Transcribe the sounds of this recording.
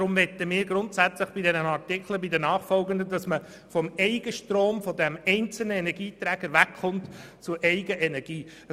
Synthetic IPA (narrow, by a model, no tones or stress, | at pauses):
ɾʊmʋɛtːəmɪːɾɡɾʊntsæt͡sləχb̥idɛnənɑrtɪkχləbidənɑːχfɔlɡəndədɑsmə | fɔmɛɪɡəʃtɾoːmfɔdɛmɛɪnt͡sl̩nəɛnɛɾɡiːt̪ɾæːɡ̥əɾʋækχʊntt͡sʊɾʔɛɪɡəʔɛnɛɾɡ̥iː